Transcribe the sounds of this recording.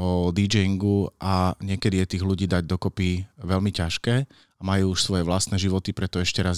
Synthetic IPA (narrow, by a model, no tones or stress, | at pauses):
ɔd̪id͡ʒɛiŋɡuaɲɪɛkɛd̪ijɛt̪iːɣluɟiːd̪aɟ̚d̪ɔkɔpiʋɛlmicaʃkɛː | amajuːuʃsʋɔjɛʋlast̪nɛʒiʋɔt̪ipɾɛt̪ɔɛʃcɛɾaz